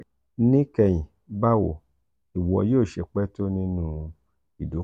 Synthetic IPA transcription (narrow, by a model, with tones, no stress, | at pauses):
nĩ˦kɛ˧j̃ĩ˨ | ba˦wo̰˨ | i˨wɔ˧˨joː˦˨ʃe˧k͡pɛ˦to˦nĩ˦nũ˦ | i˨do˨˦